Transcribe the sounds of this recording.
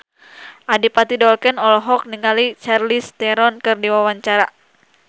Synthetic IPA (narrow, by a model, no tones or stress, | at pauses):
ʔadipat̪idɔlkɛnɔlɔɦɔk̚niŋalit͡ʃarlist̪ɛɾɔnkɨrdiwawaɲt͡ʃaɾa